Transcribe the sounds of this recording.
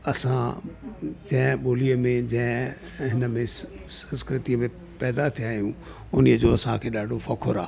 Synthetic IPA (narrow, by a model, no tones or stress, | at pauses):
ɐsã̰ | d͡ʑɐ̃ɦɪ̃ɓoːliəmẽd͡ʑɐ̃ɦɪ̃ | ɦɪnəmẽ | sɐ̃nskɾɪt̪iəmẽ | pɛːd̪at̪ʰijaːɦijũ | ʊniəd͡ʑoːɐsãkʰeːɗaːɖʱofɐkʰoɾaː